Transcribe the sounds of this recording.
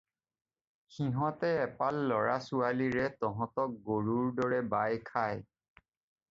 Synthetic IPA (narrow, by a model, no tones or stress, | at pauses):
xiɦɔ̃tɛɛpalːɔɹasualiɹɛtɔɦɔ̃tɔk̚ɡoɹuɹdɔɹɛbajkʰaj